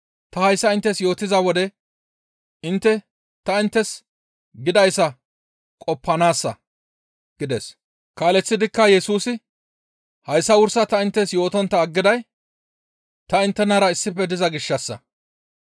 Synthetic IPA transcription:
t̪ɐhɐjsːɐɪnt̪ːɛsjo̞ːt̪ɪzɐwɔd̪ɛ | ɪnt̪ːɛ | t̪ɐɪnt̪ːɛs | ɡɪd̪ɐjsːɐ | kʼɔpːɐnaːsːɐ | ɡ̥ɪd̪ɛs | kaːlɛt͡sːɪd̪ɪkːɐjɛsuːsɪ | hɐjsːɐwʊɾsɐt̪ɐɪnt̪ːɛsjo̞ːt̪ɔnt̪ːɐːɡːɪd̪ɐj | t̪ɐɪnt̪ːɛnɐɾɐɪsːɪpːɛd̪ɪzɐɡɪʃːɐsːɐ̰

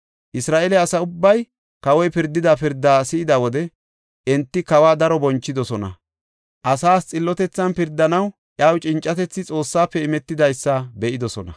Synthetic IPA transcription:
ʔɪsɾaːʔɛlɛɐsɐʊbːɐj | kɐwɔjpɪɾd̪ːɪd̪apɪɾd̪ːaːsɪːɪd̪ɐwɔd̪ɛ | ʔɛnt̪ːɪkɐwaːd̪ɐɾɔbɔnt͡ʃːɪd̪ɔsɔnɐ̰ | ʔɐsaːst͡sʼɪlːɔt̪ɛt͡sːɐnpɪɾd̪ːɐnɐw | ʔjaːwt͡ʃʼɪnt͡ʃʼːɐt̪ɛt͡sːɪt͡sʼo̞ːsːaːpːɛɪmɛt̪ːɪd̪ɐjsːɐbɛʔɪd̪ɔsɔnɐ̰

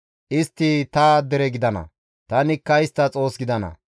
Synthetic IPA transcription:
ʔɪst̪ːɪt̪ɐd̪ɛɾɛɡɪd̪ɐnɐ̰ | t̪ɐnɪkːɐɪst̪ːɐt͡sʼo̞ːsɡɪd̪ɐnɐ̰

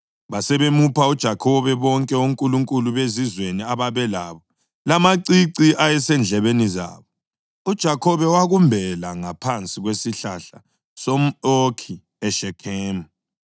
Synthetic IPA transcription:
βasɛβemupʰaud̥ʒ̥ʱakʰɔβɛβɔŋkʼɛoŋkʼuluŋkʼuluβezizweniaβaβɛlaβɔ | lamaǀiǀiʔajɛsɛnd͡ɮʱɛβeniza̰ːβɔ | ud̥ʒ̥ʱakʰɔβɛwaɣumbʱɛlaŋapʰant͡sʼiɣwesiɬaɬa | sɔmokʰi | ɛʃɛkʰeːm̩

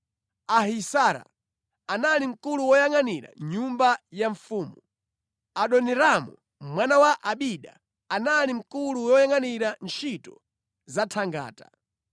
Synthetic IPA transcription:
aɦisaɾa̰ | analim̩kuluwɔjaŋaniɾa̰ɲumbajaɱfuːmu | aɗɔnɛɾamu | mwanawaʔaɓiɗa̰ | analim̩kuluwɔjaŋaniɾant͡ʃʰitɔ | zatʰaŋɡa̰ːta

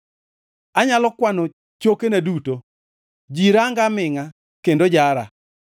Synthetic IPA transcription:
aɲalɔkwano | t͡ʃokenaduto | d͡ʒiɾaŋɡamɪŋa | kendod͡ʒaɾa̰

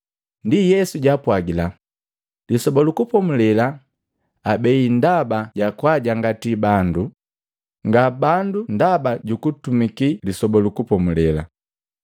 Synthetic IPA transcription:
ndijɛsuɟapwaɡila | lisɔbɔlukupɔmulɛla | abɛindabaɟakwaɟaŋɡatibandu | ŋɡabandundabaɟukutumikilisɔbɔlukupɔmulɛla

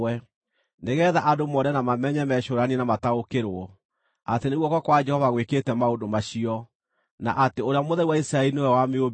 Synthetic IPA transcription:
ɛ | neɣɛðaʔadomɔɾɛnamamɛɲɛmɛɕoɾanenamataokeɾwɔ | ateneɣwɔkɔkwad͡ʒɛhɔvaɣweketɛmaodomaɕiɔ | na̰ʔateoɾeamoðɛiwaisɾaɛɾinewɛwameob

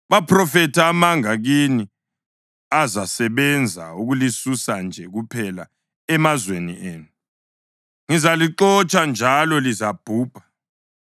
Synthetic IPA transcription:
βapʰrɔfɛtʰaːmaŋaɣini | azasɛβɛnd͡zʱa̰uɣulisusand͡ʒʱɛɣupʰɛla̰ | ɛmazwenḭʔeːnu | ŋizaliǃɔt͡ʃʼand͡ʒʱalɔlizab̥ʱuːb̥ʱḁ

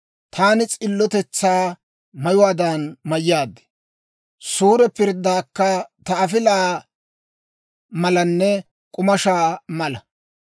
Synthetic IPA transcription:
t̪ʰaːnɪt͡sʼɪlːɔt̪ɛt͡sːaː | mɐjʊwaːd̪aːnmɐjːaːd̪ːɛ̥ | suːɾɛpɪɾd̪ːaːkːɐt̪ɐɐfɪlaː | mɐlɐnːɛ | kʼʊmɐʃaːmɐlɐ

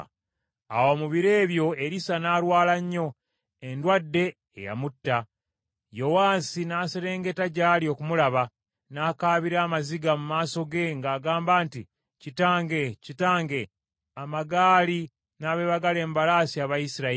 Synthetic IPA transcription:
a̰wo̞muβiɾe̞ːβjo̞e̞ɾisanaːɾwaːlaɲːo̞ | endwadːe̞̰ː | ja̰mutːa | jo̞waːsinaːse̞ɾe̞ːŋɡe̞taɟaːlio̞kumulaβa | naːkaːβiɾaːmaziɡamumaːso̞ɡe̞ŋɡaːɡaːmbaːnti | citaːŋɡe̞citaːŋɡe̞ | amaɡaːli | naːβe̞ːβaɡale̞ːmbalaːsiaβajisiɾa

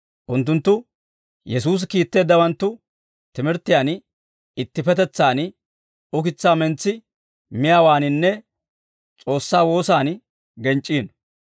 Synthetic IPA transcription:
ʔʊnt̪̬ːʊnt̪ːʊ | jɛsuːs̬kiːt̪ːe̞ːd̪ːɐwɐnt̪ːʊ | t̪ɪmɪɾt̪ːɪjaːn | ɪt̪ːɪfɛt̪ɛt͡sːaːn | ʊkɪt͡sːaːmɛnt͡sːɪ | mɪjaːwaːnɪnːɛ | t͡sʼo̞ːsːaːwo̞ːsaːn | ɡɛnt͡ʃʼːiːn

